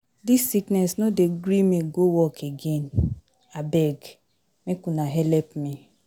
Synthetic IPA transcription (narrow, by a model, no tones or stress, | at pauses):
disːiknɛsnodeɡɾimĩɡowɔkʰeɡen | abɛɡ | mekũnaɦɛlɛpmĩ